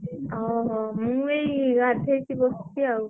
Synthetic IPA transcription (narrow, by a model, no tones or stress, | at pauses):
ɔmuejɡadʱejsibɔstiaw